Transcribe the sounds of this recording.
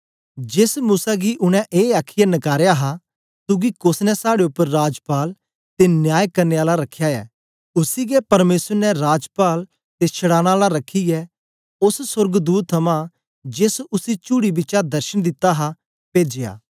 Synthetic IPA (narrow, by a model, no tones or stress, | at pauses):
d͡ʒesmuːsaɡiʔʊɽ̃ɛ̃ʔeːaːkʰɪjanɐkaːɾejaɦa | t̪ʊɡikʊsnɛsaːɽeʊpːəɾːaːd͡ʒpaːl | t̪enjaːjkɐɾneaːlaɾɐkʰːjaɛ̰ː | ʊsiɡɛpɐɾmeːsəɾnɛɾaːd͡ʒpaːl | t̪et͡ʃʰəɽaːɽ̃aːlaɾɐkʰːiɡɛ | ʊssʊɾɡd̪uːt̪ʰːɐmã | d͡ʒesʊsit͡ʃuːɽibɪːt͡ʃad̪ɐɾʃəñd̪ɪt̪ːaɦa | peːd͡ʒeja̰ː